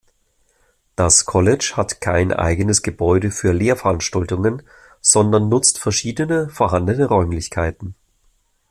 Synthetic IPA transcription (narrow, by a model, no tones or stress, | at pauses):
d̥askʰɔlɛt͡ʃhatkʰaɪnʔa̰ɪɡənəsɡ̥əbɔʏdəfyːɐleːɐfɛɐɐʔanʃtaltʊŋən | z̥ɔndɐnːʊt͡stfɛɐʃiːdənəfoːɐɦandənəʁɔʏmlɪçkʰaɪtn̩